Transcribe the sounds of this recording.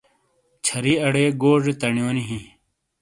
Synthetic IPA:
t͡ɕʰɐɾiːɐɽeːɡoːʐet̪ɐɳjoːniɦĩ

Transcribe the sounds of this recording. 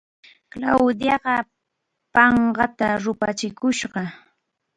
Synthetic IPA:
klawd̪jɑɢɑ | pɑɴɢɑt̪aɾʊpat͡ʃɪkʊʃɢɑ

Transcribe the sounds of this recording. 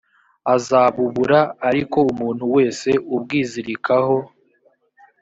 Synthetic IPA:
azaːβuβuɾaːɾiko̞umuːn̥huwe̞ːse̞ʔubɡiːziɾikʰaho̞

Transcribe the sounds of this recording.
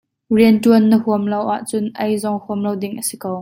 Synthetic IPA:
riəntuənːəhuəmlɐwʔaʔt͡sʊnʔɐjzɔŋhuəmlɐwdɪŋʔəsikəw

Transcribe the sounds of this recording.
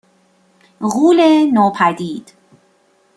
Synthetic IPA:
ɣuːlenɒːpʰæd̪iːd̪̥

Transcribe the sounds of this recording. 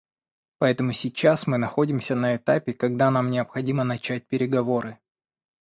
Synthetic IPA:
pɐɛt̪əmʊsʲɪt͡ɕasmɨnɐxo̞dʲɪmsʲənəɪt̪apʲɪkɐɡ̚d̪an̪amnʲɪəpxɐdʲimənɐt͡ɕæt̚ʲpʲɪɾʲɪɡɐvo̞ɾɨ

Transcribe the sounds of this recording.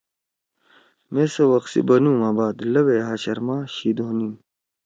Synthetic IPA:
mesɐwɐqsḭbɐnuːmaːbaːd̪lɐweːɦaːɕɐɾmaːɕiːd̪oːnin

